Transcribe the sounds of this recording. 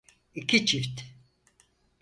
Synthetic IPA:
ikʰʲit͡ʃʰift̪

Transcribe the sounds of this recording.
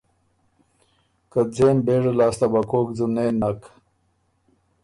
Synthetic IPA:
kəd͡zeːnbeːʐelaːst̪abakoːkd͡zuneːnak

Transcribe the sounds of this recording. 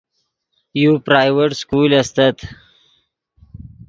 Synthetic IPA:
jupɾaːjweʈskuːlɐst̪at̪

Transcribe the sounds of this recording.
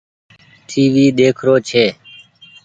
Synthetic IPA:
ʈʰiːʋiːɗ̪eːkʰɾoːt͡ʃʰeː

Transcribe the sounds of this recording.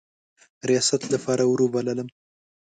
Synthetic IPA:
ɾijɑsat̪lapʰɑɾawɾobalələm

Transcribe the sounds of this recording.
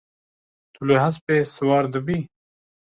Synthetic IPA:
t̪ʰuleɦaspeswaːɾd̪əbiː

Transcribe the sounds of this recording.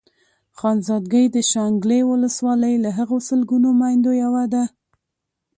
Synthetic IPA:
xɑnzɑd̪̚ɡəjd̪əʃɑŋɡlewʊləswɑləjlaɦəɣosəlɡunomɑjnd̪ojawad̪a

